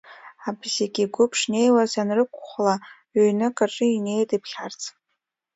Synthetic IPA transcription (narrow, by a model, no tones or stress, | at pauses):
abzeɡʲiɡʷʊpʰʂne̞jwazanrɨkʷʰχʷla | ɥøɥnɨkʼaʈ͡ʂʼɨine̞jtʼipʰχʲart͡sʰʼ